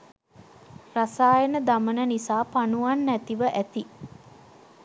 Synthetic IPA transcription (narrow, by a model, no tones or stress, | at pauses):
rasaːjənəd̪amənənisaːpanuʋanːæt̪iʋəʔæt̪i